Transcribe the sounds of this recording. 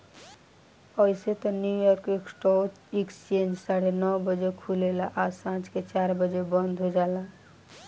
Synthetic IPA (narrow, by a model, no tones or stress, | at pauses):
əiset̪ɔnjujɔɾkeksʈɔ | ikst͡ʃend͡ʒsaɽenɔwbəd͡ʒekʰulelaʔasãt͡ʃket͡ʃaɾbəd͡ʒebənd̪ʱɦod͡ʒala